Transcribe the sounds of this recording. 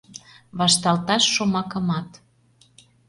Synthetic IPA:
βɑʃt̪ɑlt̪ɑʃːomɑkə̆mɑt̪

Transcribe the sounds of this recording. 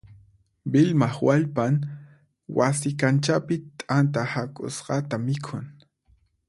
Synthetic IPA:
bɪlmaχwaʎpan | wasɪkant͡ʃapɪt̪ʼant̪ahakʼʊ̰sɢɑt̪amɪkʰʊŋ

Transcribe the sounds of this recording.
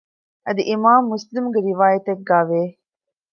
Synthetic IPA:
ʔɐd̪iʔimaːmːuslimɡeɾiʋaːjɐt̪eɡːaːʋeː

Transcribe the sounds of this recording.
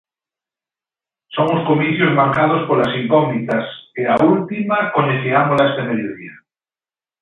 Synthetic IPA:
soŋoskomiθjozmaɾkað̞ospolasiŋkoŋnit̪aseault̪imakoɲeθiamolest̪emeðjoðḭa

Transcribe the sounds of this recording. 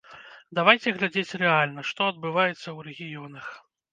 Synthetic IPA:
d̪avajt͡sʲɛɣlʲad͡zʲet͡sʲrɛalʲnɐʂt̪ɔɐd̪̚bɨvajɛt̪sːɐwɾɛɣʲijɔnɐx

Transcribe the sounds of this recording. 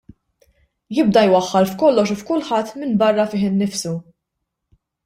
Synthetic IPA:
jɪb̚d̪ɐjwɐħːɐlfkɔlːɔʃufkʊlħɐt̪ːmɪnbɐrːɐfɪːħɪnːɪfsu

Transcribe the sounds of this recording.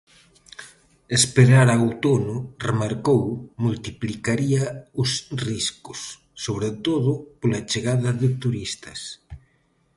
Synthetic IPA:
espeɾaɾawt̪onʊremaɾkowmult̪iplikaɾiɐʊsriskʊ̥sː | oβɾet̪oðʊpolat͡ʃeɣaðɐðɪt̪uɾist̪ɐs

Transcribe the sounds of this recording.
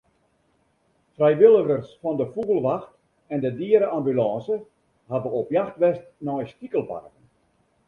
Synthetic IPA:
frɛjʋɪlˠəɣərsfɔndəfuɣəlˠʋaxt | ɛndədiəɾəambylɑ̃ːsə | habəopjaxtʋɛstnɔjstikəlˠpa̰rkən

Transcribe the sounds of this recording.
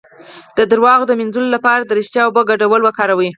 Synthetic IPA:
d̪̥əd̪əɾwɑɣd̪əmɪnzulolapɑɾad̪əɾɪʃt̪jɑwbəɡaɖawəlwəkɑɾawi

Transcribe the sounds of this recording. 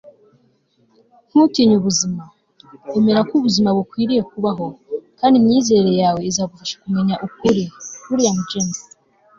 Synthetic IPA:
ŋ̥hutiɲuβuzima | eme̞ɾakuβuzimaβukwiːɾije̞kuβaɦo̞kaːndimɲiːze̞ɾe̞jaːwe̞izaːβufaʃḁkume̞ɲaʔukuɾikuɾijamud͡ʒene

